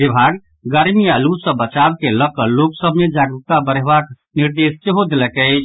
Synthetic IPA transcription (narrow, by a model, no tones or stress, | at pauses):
bibʱaɡ | ɡəɾmialusə̃bət͡ʃabkeləkəlloksəbʱmed͡ʒaɡut̪abəɾɛbak | niɾd̪est͡ʃeɦod̪elɛkɛt͡ʃʰ